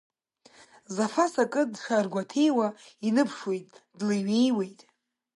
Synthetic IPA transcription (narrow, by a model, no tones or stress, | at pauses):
zafasakʼɨdʂarɡʷatʰejwainɨpʰʂwejtʼdlaɥe̞jwe̞jtʼ